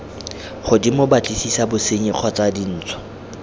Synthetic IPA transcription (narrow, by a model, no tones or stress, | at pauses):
χʊdimʊbat͡ɬʼisisabʊseɲiq͡χʰɔt͡sadin̩ːt͡sʰɔ̥